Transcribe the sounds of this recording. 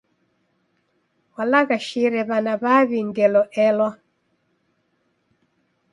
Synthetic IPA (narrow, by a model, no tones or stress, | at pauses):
walaɣaʃiɾɛβanaβaβindɛlɔʔɛlwa